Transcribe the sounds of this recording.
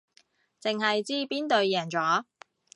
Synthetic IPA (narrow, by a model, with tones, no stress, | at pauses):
t͡sɪ˨ŋhɐ˨jt͡siː˥piː˥nt̪ɵ˨ɥjɛː˨˩nt͡sɔː˨˥